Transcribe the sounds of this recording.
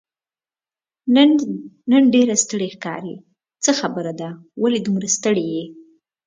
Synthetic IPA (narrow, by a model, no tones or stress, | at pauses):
nənɖeɾast̪əɽexkɑ̰ɾi | t͡səxabəɾad̪awaled̪umɾast̪əɽeje